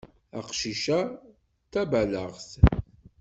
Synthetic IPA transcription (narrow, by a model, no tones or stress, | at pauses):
æqʃiʃæ | t̪ːæbælə̰ʁθ